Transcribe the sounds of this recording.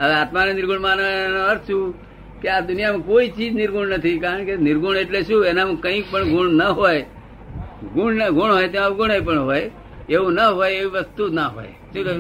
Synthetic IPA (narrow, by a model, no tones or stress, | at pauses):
əʋat̪manenɪɾɡʱuɳmananõəɾt͡ʃʰũ | kead̪ʊnijamãkoit͡ʃiːd͡ʒnɪɾɡʱuɳnət̪ʰikaɾəɳkenɪɾɡʱuɳeʈleʃũenam̃kəĩk̚pəɳɡʱuɳnəɦoj | ɡuɳnəɡʱuɳɦojt̪aʋɡuɳep̬əɳɦoj | eʋũnəɦojeʋiʋəst̪unaɦo̰j | ʃũk